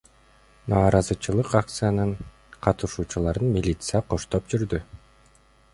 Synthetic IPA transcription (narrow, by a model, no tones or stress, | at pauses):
nɑːɾɑzɯt͡ʃɯlˠɯqak̚t̪sɨjanɯɴ | qʰɑt̪ɯʃuːt͡ʃulˠɑɾɯnmʲilʲit̪sɨjaqo̞ʃt̪opd͡ʒyɾd̪y